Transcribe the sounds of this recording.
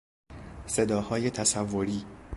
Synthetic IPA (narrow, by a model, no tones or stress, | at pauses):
se̞d̪ɒːhɒːje̞t̪ʰæsævːoɾiː